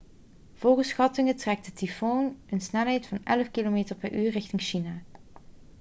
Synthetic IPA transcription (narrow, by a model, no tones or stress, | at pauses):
v̥oːɣəsxɑtɪŋətrɛk̚tətifonənsnɛlɦɛjtfɑnɛləfkilomeːtəɹpɛɹʔyːɹrɪxtɪŋʃinaː